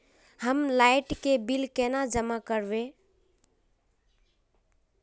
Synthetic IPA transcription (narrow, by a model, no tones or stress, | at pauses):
həmlaɪʈkebilkɛnad͡ʒəmakəɾbẽ